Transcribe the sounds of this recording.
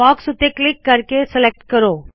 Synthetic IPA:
ɔːksut̪ːeklɪkːəɾkeselek̚ʈkəɾoː

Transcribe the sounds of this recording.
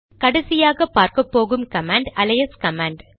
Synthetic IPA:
kɐɽɐsɪjaːɣɐpːaːɾkɐpːoːɣɯmkɐmaːɳɖɐlɐjɐskɐmaːɳɖ

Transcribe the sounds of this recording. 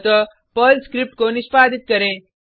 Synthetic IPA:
t̪ə | pəːlskɾɪp̚ʈ̚konɪspaːd̪ɪt̪̚kɐɾẽː

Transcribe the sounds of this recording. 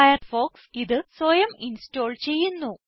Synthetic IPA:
jɐrfo̞ːksiðɨsojɐminsto̞ːɭt͡ɕe̞jːunːu

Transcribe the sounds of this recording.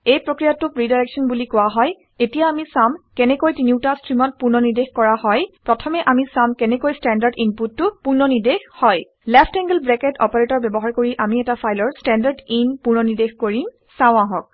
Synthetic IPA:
ejpɹokɹijatʊpɹidajɹɛksɔnbulikʊwaɦɔj | etijaamisamkɛnɛkojtiniʊtastɹimɔt̚puɹnɔniɹdexkɔɹahɔjpɹɔtʰɔmɛʔamisamkɛnɛkojstɛndaɹdinputːʊpuɹnɔniɹdexhɔj | lɛpʰtɛŋɡlbɹɛkɛtɔ̰paɹetɔɹbɛbɔɦaɹkoɹiʔamiɛtafʰajlɔɹstɛndaɹɖinpuɹnɔniɹdexkoɹim | sãʊ̃ãɦɔk̚

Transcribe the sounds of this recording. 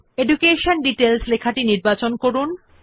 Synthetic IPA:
eɖukeʃonɖiʈelslekʰaʈiniɾbat͡ɕonkoɾun

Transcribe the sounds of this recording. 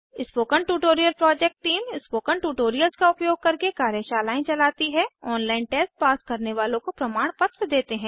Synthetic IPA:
ɪspoːkəɳʈuːʈoːɾijəlpɾɔːd͡ʒɛk̚ʈʈiːmɪspoːkəɳʈuːʈoːɾijəlzkaʊpjoːɡ̚kɐɾkekaːɾjəʃaːlaːẽt͡ʃɐlaːt̪iɦɛ̃ɔːnlaːɪnʈɛːsʈ̚paːskɐɾneʋaːlõkopɾɐmaːɽ̃pɐt̪ɾəd̪eːt̪eɦɛ̃ː

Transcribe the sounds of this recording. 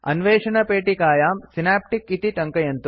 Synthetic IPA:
ɐ̰nʋeːʂɐnɐpeːʈikaːjaːmsinaːp̚ʈikit̪iʈɐŋkɐjɐnt̪u

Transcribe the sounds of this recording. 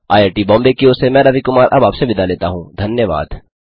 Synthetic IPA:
a̰ːjeːɾʈibɔ̃ːmbekiosemɛ̃ːɾɐʋikʊmaːɾʔɐbaːpseʋɪd̪ʱaleːt̪aɦũːd̪ʱɐnjəʋa̰ːd̪

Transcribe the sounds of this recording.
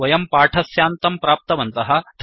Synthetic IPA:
ɐjɐmpaːʈʰɐsjaːnt̪ɐmpɾaːp̚t̪ɐʋɐnt̪ɐɦɐ̆d̪̥ʱ

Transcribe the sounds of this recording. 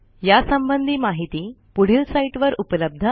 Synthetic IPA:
jasəmbənd̪ʱiːmaɦit̪iːpuɽ̤ilsaiʈʋəɾupləb̚d̪ʱə

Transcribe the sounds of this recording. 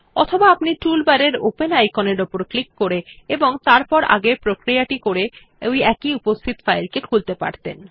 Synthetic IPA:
ɔ̰t̪ʰobaapniʈulbaɾeɾo̰penajkoneɾopoɾklikːoɾeeboŋt̪aɾpɔɾa̰ɡepɾokɾijaʈikoɾe | ojɛkiupost̪ʰit̪fajlkekʰult̪epa̰ɾt̪ḛn

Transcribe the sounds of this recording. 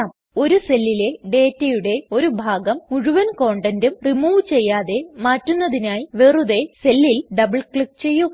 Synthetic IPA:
am | o̞ɾuse̞lːile̞ɖe̞ːtːɐjuɽe̞o̞ɾubʱaːɡɐmuɻuʋɐnko̞ːɳɖɐndumrimuːʋt͡ɕe̞jːaːðe̞maːtːunːɐðinaːjiʋeruðe̞se̞lːilɖɐbɭkɭik̚t͡ɕe̞jːu

